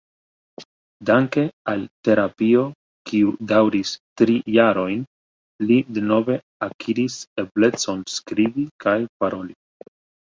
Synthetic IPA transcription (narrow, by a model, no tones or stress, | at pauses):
daŋke̞alte̞ɾapio̞ | kiudawɾistɾijaɾo̞jn | lideno̞ve̞ | akʰiɾise̞ble̞t͡so̞nskɾibikʰajpaɾo̞li